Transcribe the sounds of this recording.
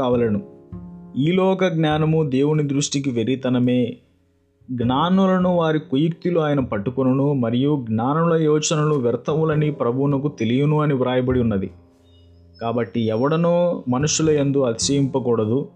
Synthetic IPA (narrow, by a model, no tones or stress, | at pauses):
aːʋɐlɐnu | iːlɔːkɐɡnjaːnɐmud̪eːwunid̪ɾuʂʈik̬iʋeɾit̪ɐnɐme̞ː | ɡnaːnulɐnuʋaːɾikujuk̚t̪iluaːjɐnɐpɐʈːukunɐnumɐɾijuɡnaːnulɐjɔːt͡ʃɐnɐluʋɛɾt̪ʰɐmulɐnipɾɐbʱuːnɐk̬ut̪e̞lijɐnuɐniʋɾaːjɐbɐɽiunːɐd̪ḭ | kaːbɐʈːiɛʋɐɽɐnoːmɐnuʂulɐend̪uɐt̪i̥ʃɐjimpɐkuːɽɐd̪u